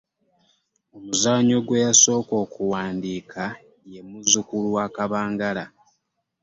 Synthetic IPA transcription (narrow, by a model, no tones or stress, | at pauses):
o̞muzaːɲo̞ɡwe̞jaso̞ːko̞ːkuwaːndiːkʰa | je̞muzukuluwaːkaβaːŋɡala